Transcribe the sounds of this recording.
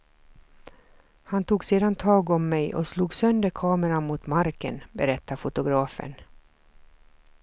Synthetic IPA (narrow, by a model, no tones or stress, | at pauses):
hant̪ʰuːɡseːd̪ant̪ʰɑːɡɔmːɛjʔɔ̰sluːɡsœnd̪əɾkʰɑːməɾamut̪maɾkə̰nbɛɾɛt̪ːafʊt̪ʊɡɾɑːfə̰n